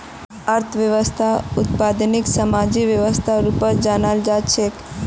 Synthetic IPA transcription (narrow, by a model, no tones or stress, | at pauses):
əɾt̪ʰʋjəʋəst̪ʰaʊt̪paːd̪nɪksəmaːd͡ʒiʋjəʋəst̪ʰaɾupəɾd͡ʒaːnald͡ʒat͡ʃʰek